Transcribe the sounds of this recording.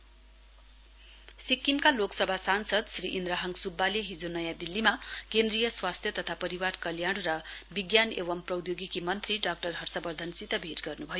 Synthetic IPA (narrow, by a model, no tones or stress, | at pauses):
sikːimkaloksʌbʱasansʌd̪sriʔind̪ɾaɦʌŋɡsubːaleɦid͡zonʌjad̪ilːimakend̪rijʌswast̪ʰjʌt̪ʌt̪ʰapʌɾiwarkʌljaɽ̃rʌbiɡjanḛwʌmprʌwd̪joɡikimʌnt̪riɖak̚ʈʌrɦʌrsʌbʌrd̪ʱʌnsit̪ʌbʱiʈɡʌrnubʱʌjo